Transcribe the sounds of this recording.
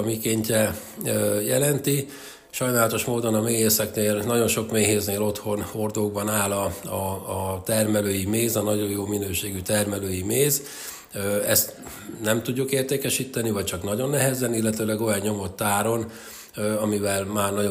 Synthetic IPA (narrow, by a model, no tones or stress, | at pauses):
mikeːɲcɛøjɛlɛnt̪i | ʃɒjnaːlɒt̪o̞ʃmoːd̪o̞nɒmeːɦeːsɛkneːlnɒɟo̞nʃo̞kmeːɦeːzneːlo̞t̪ho̞nho̞rd̪oːɡbɒnaːlɒɒːt̪ɛrmɛløːjimeːzɒnɒɟo̞joːminøːʃeːɡyt̪ɛrmɛløːjimeːz | øɛ̰st̪ | nɛmt̪uɟːukeːrt̪eːkɛʃit̪ːɛnivɒc̚t͡ʃɒknɒɟo̞nːɛɦɛzɛnilːɛt̪øːlɛɡo̞jɒɲːo̞mo̞t̪ːaːɾo̞n | ɒmivɛlmaːrnɒo